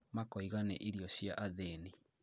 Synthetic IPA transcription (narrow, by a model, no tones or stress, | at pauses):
makɔiɣanɛʔiɾjɔɕjaʔaðeni